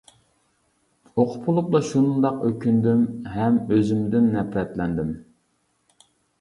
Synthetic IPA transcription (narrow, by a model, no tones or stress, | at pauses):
oqʰʊ̥pʰulˠuplˠɑʃunɨnd̪ɑqøkʲynd̪ymɦɛmøzɪmd̪ɪnːɛpɾɛt̪lɛnd̪ɪm